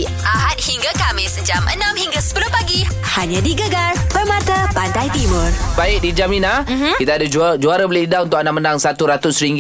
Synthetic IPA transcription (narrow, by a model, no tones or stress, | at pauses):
ʔaɦat̪̚hiŋɡakamɪsəd͡ʒamʔə̰nãmhiŋɡasə̥pəlʊmpaɡi | haɲãdiɡəɡarpəmat̪apandajt̪imə̃rbaɪʔ̚did͡ʒaminakit̪aːdad͡ʒd͡ʒuaɾabəlɪhidaunt̪ʊkanamənaŋsat̪uɾat̪ʊsɾiŋɡ